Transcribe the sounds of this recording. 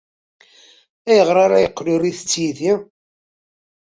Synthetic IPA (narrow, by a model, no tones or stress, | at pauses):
æjəʁɾˤaɾajqːluriθət͡sːjiði